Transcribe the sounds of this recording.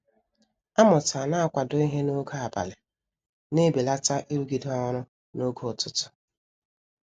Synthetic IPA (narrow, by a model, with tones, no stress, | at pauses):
a˦mʊ˨ta˨na˦a˨kʷa˨dʊ˦i˦ɦe˦no˦ɡa˨ba̰˨lɪ˨ | ne˦be˨la˦ta˦ʔi˦ɾu˦ɡi˨dɔ˦ɾʊ˦ | no˦ɡo˨tʊ˦tʊ̥˦